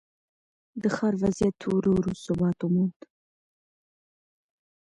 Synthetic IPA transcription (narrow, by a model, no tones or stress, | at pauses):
d̪əxɑɾvazijat̪ʰːuɾoɾusʊbɑt̪umund̪